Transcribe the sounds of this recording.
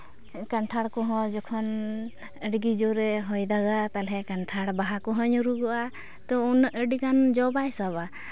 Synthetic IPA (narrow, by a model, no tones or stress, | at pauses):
kaɳʈʰaɽkɔɦɔ̃d͡ʒɔkʰɔn | əɖiɡid͡ʒɔɾɛɦɔjd̪aɡat̪alɦɛkaɳʈʰaɽbaɦakɔɦɔ̃ɲuɾuɡɔʔa | t̪ɔunəʔəɖikand͡ʒɔbaɛsaba